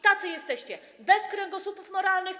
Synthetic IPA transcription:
t̪at̪sɘjɛst̪ɛɕt͡ɕɛ | bɛskɾɛŋɡɔsupufmɔɾalnɘx

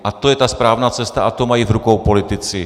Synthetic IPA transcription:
ʔat̪o̞jɛt̪aspɾaːvnaːt͡sɛst̪aʔat̪omajivɾukowpo̞lɪt̪ɪt͡sɪ

